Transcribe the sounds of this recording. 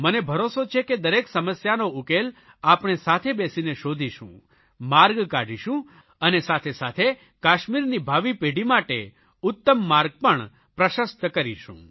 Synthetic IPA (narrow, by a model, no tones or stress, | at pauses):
mənebʱəɾosot͡ʃʰeked̪əɾeksəməsjanoukel | apɳ̃esat̪ʰebesineʃod̪ʱiʃṵ̃ | maɾɡkaɖiʃũ | ənesat̪ʰesat̪ʰe | kaʃmiɾnibʱaʋipeɽimaʈḛ | ʊt̪ːəmːaɾɡ̚pəɳ | pɾəʃəst̪kəɾiʃṵ̃